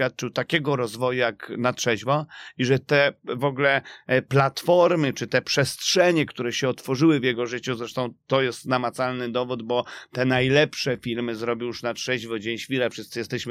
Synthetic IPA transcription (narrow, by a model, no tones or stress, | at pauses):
jat̪̚t͡ʂɘwt̪akʲɛɡɔɾɔzvɔjujaknatʂɛʑvɔiʐɛt̪ɛvɔɡlɛplat̪fɔɾmɘt͡ʂɘt̪ɛpʂɛstʂɛɲɛkt̪uɾɛɕɛɔt̪fɔʐɘwɘvjɛɡɔʐɘt͡ɕuzɾɛʂt̪ɔ̃w̃t̪ɔjɛst̪namat̪salnɘd̪ɔvud̪bɔt̪ɛnajlɛpʂɛfʲilmɘzɾɔbʲjijuʂnatʂɛʑvɔd͡ʑeɲɕfʲiɾɛfʂɘst̪sɘjɛst̪ɛɕmɘ